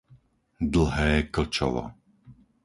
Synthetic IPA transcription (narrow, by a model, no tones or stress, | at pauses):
d̪l̩ˠɦɛːkl̩t͡ʃɔ̰ʋɔ̰